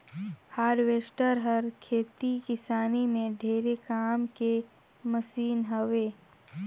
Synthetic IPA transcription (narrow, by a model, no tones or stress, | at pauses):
haːɾʋeːsʈəɾɦɐɾkʰeːt̪ikɪsaːnimẽɖʱeːɾekaːmke | məsiːnɦəʋeː